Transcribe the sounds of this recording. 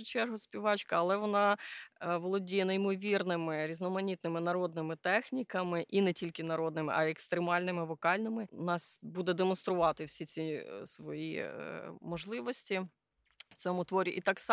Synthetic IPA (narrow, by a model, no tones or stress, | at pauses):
ʊt͡ʃɛrɦʊsʲpʲiʋɑt͡ʃkɐɐlˠɛʋɔnɑ | ʋɔlˠɔdʲijɛnɐjmɔʋʲirnɪmɪɾʲiznɔmɐnʲit̪̚nɪmɪnɐɾɔd̪̚nɪmɪt̪ɛxnʲikɐmɪʔinɛtʲilʲkɪnɐɾɔd̪nɪmɪ̰ʔɐekst̪ɾemɑlʲnɪmɪʋɔkɑlʲnɪmɪnɑsbud̪ɛd̪emɔnst̪ɾʊʋɑt̪ɪwsʲit͡sʲisʋɔjḭ | mɔʒlˠɪʋɔsʲtʲi | w̥t͡sʲɔmʊt̪ʋɔɾʲiʔit̪ɑks